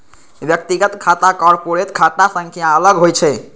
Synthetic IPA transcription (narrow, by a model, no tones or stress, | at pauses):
bjək̚t̪iɡət̪kʰat̪akɔɾpoɾet̪kʰat̪asəŋkʰijãələɡɦojt͡ʃʰɛ